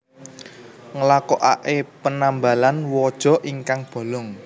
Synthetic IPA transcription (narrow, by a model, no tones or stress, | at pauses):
ŋəlakɔʔa̰ʔepənamba̤lanwɔd̥ʒ̥ɔ̤ʔiŋkaŋb̥ɔ̤lɔŋ